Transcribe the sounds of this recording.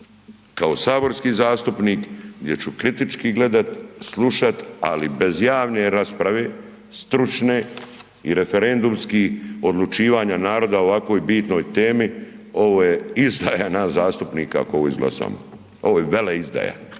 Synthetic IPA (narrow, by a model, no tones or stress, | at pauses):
kao̞saːbo̞ɾskiːzaːst̪upniːkɡd̪ʲje̞t͡ɕukɾit̪it͡ʃkiɡle̞d̪at̪slˠuʃat̪a̰libe̞zjaːʋne̞ɾaspɾaʋe̞ | st̪ɾut͡ʃne | iɾe̞fe̞ɾe̞nd̪umskio̞d̪lˠut͡ʃiːʋaːɲanaːɾo̞d̪ao̞ʋakʋo̞ːjbiːt̪no̞ːjt̪eːmio̞ʋoːjeizd̪ajanazaːst̪upniːka̰a̰kooʋoizɡlˠa̰sa̰ːmo | o̞ʋojeʋeleizd̪a̰ːja̰